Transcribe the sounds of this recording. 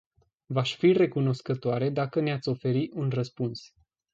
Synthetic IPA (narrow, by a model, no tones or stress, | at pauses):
vaʃʲfire̞kuno̞skət̪oaɾe̞d̪akəneat̪sʲo̞fe̞ɾiʔunrəspuns